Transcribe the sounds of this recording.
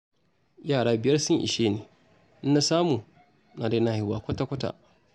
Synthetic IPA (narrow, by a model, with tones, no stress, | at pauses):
jaː˦˨ɽaː˦bɪ˨jɐ˦rsʊ˦ŋʔɪ̰˨ʃeː˦neː˨ | ʔna˦˨saː˦muː˨ | naː˨da˦naː˦˨hɪ˦waː˨kʷɐ˦ta˦kʷɐ˦ta̰˨